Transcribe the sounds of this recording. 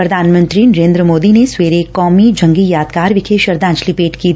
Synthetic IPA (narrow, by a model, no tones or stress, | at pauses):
pɾɐd̪ʱaːnmə̃nt̪ɾinɐɾẽːnd̪ɾəmoːd̪inesweːɾeːkːɔːmid͡ʒɐ̃ŋɡijaːd̪kaːɾʋɪkʰeːʃɐɾd̪ãːnt͡ʃlipeːʈki